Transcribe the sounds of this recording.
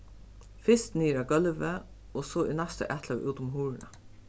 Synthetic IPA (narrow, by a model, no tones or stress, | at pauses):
fɪst̪niːɾaɡœlʋə | ɔsoinæst̪ə̰ʔɛt̪laʋ̰ʔuːt̪ʊmɦuːɹɳa̰